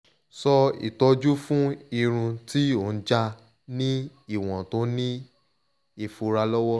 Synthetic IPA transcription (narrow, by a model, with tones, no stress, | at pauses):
sɔ˧ḭ˨tɔ˧d͡ʒu˦fũ˦i˧ɾ̃ũ˧ti˦o˨n̩˦d͡ʒa˧ | nĩ˦i˦˨w̃ɔ̃˨to˨˦nĩ˦ | e˦˨fu˧ɾa˧lɔ˦wɔ˦